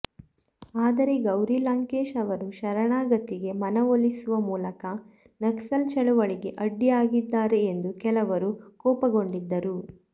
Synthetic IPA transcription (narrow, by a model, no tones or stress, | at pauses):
aːd̪ɐɾe̞ɡɐwɾilaːŋkeːʃɐʋɐɾuʃɐɾɐɳaːɡɐt̪ːiɡe̞mɐnɐʋolːisuʋɐmuːlɐkɐ | nɐksɐlt͡ʃɐɭuʋɐɭiɡe̞ʔɐɖːijaːɡid̪ːaːɾe̞ːnd̪ukɛlɐʋɐɾukɔːpɐɡo̞ɳɖid̪ːɐɾu